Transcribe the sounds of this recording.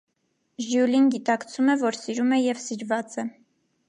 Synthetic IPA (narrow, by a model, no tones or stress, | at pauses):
ʒjulinɡit̪ɑkt͡sʰumɛvɔɾsiɾumɛjɛvsiɾvɑt͡sɛ